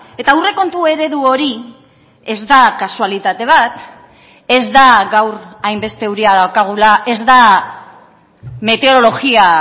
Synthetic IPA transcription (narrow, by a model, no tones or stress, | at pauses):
e̞t̪aure̞ko̞nt̪ue̞ɾe̞ðuo̞ɾi | e̞zd̪akasualit̪at̪e̞β̞at̪ | e̞zd̪aɡawɾajmbe̞st̪euɾiaðawkaɣ̞ulaʔe̞zd̪a | me̞t̪eoɾolo̞ɣia